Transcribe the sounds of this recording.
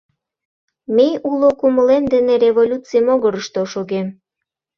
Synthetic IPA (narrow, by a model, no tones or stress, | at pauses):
meulokuməlemd̪eneɾevolʲut͡sijmoɣəɾəʃt̪oʃoɣem